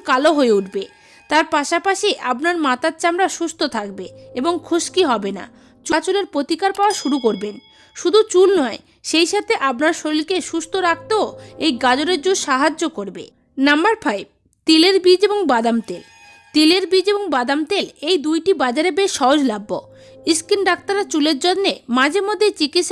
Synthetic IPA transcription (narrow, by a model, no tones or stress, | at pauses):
kaloɦoeuʈʰbe | t̪aɾpaʃapaʃiʔapnaɾmat̪at̪t͡ɕamɾaʃust̪ʰot̪ʰak̚beeboŋkʰuʃkiɦɔbena̰ | t͡ɕt͡ɕoleɾpɾot̪ikaɾpaoaʃuɾukoɾben | ʃud̪ʱut͡ɕulnɔe | ʃejʃat̪ʰeʔapnaɾʃoɾilkeʃust̪ʰoɾak̚ʰt̪ooejɡad͡ʑoɾeɾd͡ʑuʃaɦad͡ʑːokoɾbḛ | nambaɾpʰajb̚ | t̪ileɾbid͡ʑeboŋbad̪amt̪el | t̪ileɾbid͡ʑeboŋbad̪amt̪elejd̪ujʈibad͡ʑaɾebeʃʃɔɦod͡ʑlabːo | iskinɖakt̪aɾat͡ɕuleɾd͡ʑonːemãd͡ʑeɾmod̪ʱːet͡ɕikit̪ʃ